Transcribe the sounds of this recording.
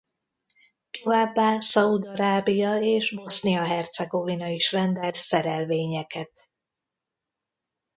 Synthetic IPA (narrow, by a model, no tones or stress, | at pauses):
t̪o̞vaːbːaːsɒud̪ɒɾaːbijɒeːʒbo̞snijɒɦɛrt̪sɛɡo̞vinɒiʃrɛnd̪ɛlt̪sɛɾɛlveːɲɛkɛt̪̚